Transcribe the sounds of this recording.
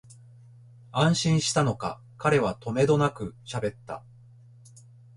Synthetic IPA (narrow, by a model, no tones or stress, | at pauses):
ãɰ̃ɕĩɰ̃ɕi̥t̪ano̞ka̰ | kaɾe̞βat̪o̞me̞d̪o̞nakɯ̟ɕabe̞t̪ːa̰